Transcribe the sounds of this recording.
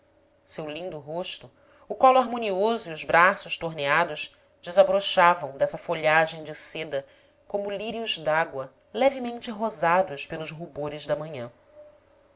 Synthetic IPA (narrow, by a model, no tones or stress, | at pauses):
sewlĩnd̪ʊɦoʃt̪ʊ | ʊkɔluaɾmõniozʊiʊzbɾasʊʃt̪oɦnead̪ʊʃ | d͡ʒɪzabɾoʃavɐ̃w̃d̪ɛsɐfoʎaʒẽj̃d͡ʒɪsed̪ɐ | kõmʊliɾiuʒd̪aɡwɐ | lɛvɪmẽnt͡ʃɪɦozad̪ʊʃpelʊzɦuboɾɪzd̪ɐmɐ̃ɲɐ̃